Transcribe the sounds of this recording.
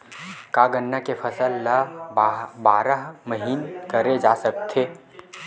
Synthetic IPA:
kaːɡənːakefʰɐsəlːa | baːɾəɦməɦiːnkɐɾed͡ʒaːsək̚t̪ʰeː

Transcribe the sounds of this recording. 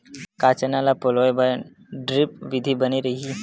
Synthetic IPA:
kat͡ʃənãlapolɔjba | ɖɾɪp̚ʋɪd̪ʱibəniɾəii

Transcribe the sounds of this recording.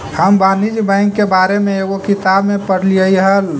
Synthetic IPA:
həmbaːnid͡ʒbə̃ɪŋkːebaːɾemẽeɣokit̪abmẽpəɽliəiɦəl

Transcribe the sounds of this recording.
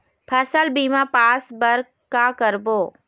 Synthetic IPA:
pʰɐsəlbiːmãpaːsbəɾ | kakəɾboː

